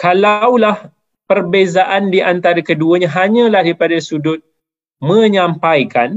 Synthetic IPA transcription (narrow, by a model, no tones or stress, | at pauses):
kalawlah | pərbezaʔandiʔant̪aɾakəduəɲãɦaɲə̃lahdipadasudʊt̪̚ | mə̃ɲampajkan